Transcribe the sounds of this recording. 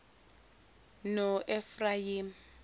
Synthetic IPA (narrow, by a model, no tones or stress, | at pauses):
nɔʔɛfraim̩